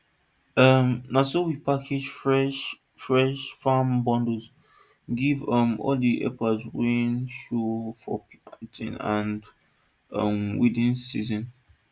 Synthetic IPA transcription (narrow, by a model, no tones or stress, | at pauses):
ʌmnasowipakʰed͡ʒfɹɛʃ | fɹɛʃfambɔ̃ndəz | ɡivʌmɔ̰ldiʔɛ̰pazwĩnʃofɔ̰ptḭ̃nãnd | ʌmwidĩnsizɔ̃n